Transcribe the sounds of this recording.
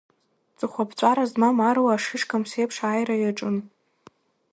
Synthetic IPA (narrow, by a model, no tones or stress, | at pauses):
t͡sʼɨχʷapʰt͡ɕʷʼaɾazmamarwaːʂɪʂkʰamsejpʰʂaːjrajaʈ͡ʂʼɨn